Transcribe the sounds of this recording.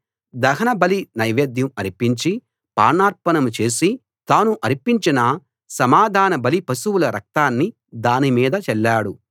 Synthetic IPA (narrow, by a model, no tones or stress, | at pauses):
d̪ɐɦɐnɐbɐlinɐjʋeːd̪jɐmɐɾipiɲt͡ʃi | pa̰ːnaːɾpɐnɐmut͡ʃe̞ːsi | t̪aːnuʔɐɾipiɲt͡ʃinɐ | sɐmaːd̪ʱaːnɐbɐlipɐsuwulɐɾɐ̰k̚t̪aːnːi | d̪aːnimiːd̪ɐt͡ʃɛlːaːɽu